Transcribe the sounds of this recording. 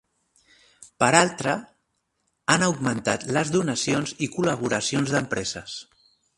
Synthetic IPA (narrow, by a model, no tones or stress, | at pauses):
pəɾalˠt̪ɾə | anəwɡmənt̪at̪ləzðunəsionzikuləβ̞uɾəsionzðəmpɾɛzəs